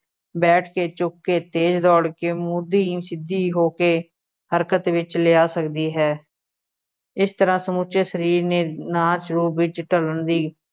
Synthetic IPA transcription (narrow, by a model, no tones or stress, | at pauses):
bɛːʈʰkeːt͡ʃʊkːeːt̪eːd͡ʒd̪ɔːɽkeːmuːd̪iːsɪd̪iːɦoːkeː | həɾkət̪ʋɪt͡ʃlɪjaːsəkd̪iːɦɛː | ɪst̪əɾãːsəmʊt͡ʃesəɾiːɾneːnaːʃʊɾuːʋɪt͡ʃʈələnd̪iː